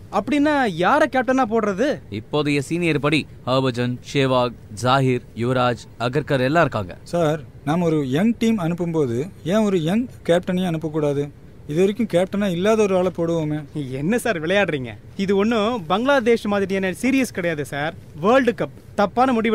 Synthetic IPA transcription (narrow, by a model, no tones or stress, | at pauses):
ɐpːɐɽɪnːaːjaːɾɛkaːp̚ʈɐnaːp̬oːɽɾɐðɯɪpːoːðɐjɐsiːnɪjɐɾpɐɽi | hɐːbɐd͡ʒɐnʂeːʋaːɡ̚d͡ʒaːɦɪɾjʊʋɐɾaːd͡ʒ | ɐɡɐɾkɐɾɛlːãːɪɾɯkːa̰ːŋɡɐ̰saːɾnaːmɔɾɯjɐŋʈiːmɐnɯpːɯmpoːðɯẽːɔɾɯjɐŋkeːp̚ʈɐnɐjẽɐnɯpːɐkːuːɽaːðɯ | ɪðɯʋɐɾɪkʲːʊ̃keːp̚ʈɐnaːɪlːaːðɐɔɾɯaːɭɐpoːɽɯʋoːmeːɛnːɐsaːɾʋɪɭɐjaːɽɾiːŋɡɐ̰ | ɪðɯɔnːɯbɐŋɡɭaːd̪eːʂmaːðɪɾɪɐnːɐsiːɾɪjɐskɪɽɐjaːðɯsaːɾʋɐːɾɭɖɯkɐp̚ː | t̪ɐpːaːnɐmʊɽɪʋ